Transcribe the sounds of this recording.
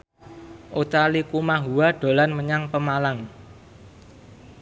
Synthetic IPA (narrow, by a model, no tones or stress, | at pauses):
ʔot̪alikumaɦuwaɖ̥o̤lanməɲaŋpəmalaŋ